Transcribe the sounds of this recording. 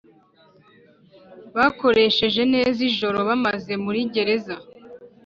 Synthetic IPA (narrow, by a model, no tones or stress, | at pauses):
βako̞ɾe̞ʃe̞ʒe̞ne̞ːziʒo̞ɾo̞βamaze̞muɾiɟe̞ɾe̞za